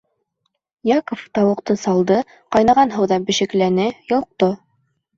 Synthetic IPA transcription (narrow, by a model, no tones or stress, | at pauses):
jɑkoft̪ɑwɤ̆qt̪ɤsɑlˠd̪ɤ | qɑjnɑʁɑnɦɤwðɑbɘ̆ʃɘ̆klænɘjŏlq̚t̪o